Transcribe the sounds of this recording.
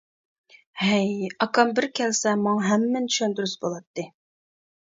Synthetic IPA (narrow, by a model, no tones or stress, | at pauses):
hɛjɑkʰɑmbɪɾkʲʰɛlsɛmɑŋɑɦɛmːɛnt̪ʰy̥ʃønd̪yɾysbolˠɑt̪ːɨ